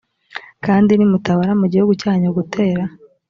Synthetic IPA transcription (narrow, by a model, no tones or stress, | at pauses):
kaːndinimutaβaɾamuɟihuɡucaːɲoɡutʰe̞ːɾa